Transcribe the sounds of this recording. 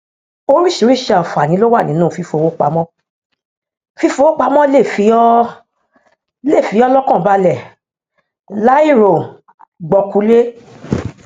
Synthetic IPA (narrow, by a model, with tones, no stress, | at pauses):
o˦ɾi˦ʃi˨˧˦ɾi˦˨ʃɛ˧˨ɔ˨fa˨nĩ˨˦lo˦wa˦˨nĩ˨˦nũː˦˨fi˧fo˨˧wo˦k͡pa̰˨˦mɔ̃˦ | fi˧˦fo˧wo˦k͡pa˧mɔ̃˦le˦˨fi˨˦ɔ˦ | le˦˨fi˨˦ɔ˦lɔ˦kɔ̃˦˨ba˧lɛ˦˨ | la˦i˦˨ɾo˨ | ɡ͡bɔ˧ku˨˦le˦